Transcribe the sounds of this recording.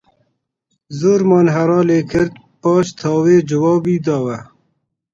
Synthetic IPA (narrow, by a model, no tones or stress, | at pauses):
zuɾmɑːnɦaɾɑːleːkʰɪɾd̪̚ | pɑːʃt̪ʰɑːwed͡ʒʊwɑːbiːd̪ɑːwɐ